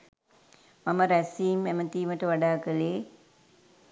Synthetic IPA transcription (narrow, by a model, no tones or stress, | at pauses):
maməɾæsiːmemət̪iːməʈəʋaɖaːkəleː